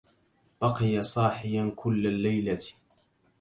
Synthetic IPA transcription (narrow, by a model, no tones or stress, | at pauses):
b̥ɑqɨjasˤɑːħɪjankʰʊlːalːajla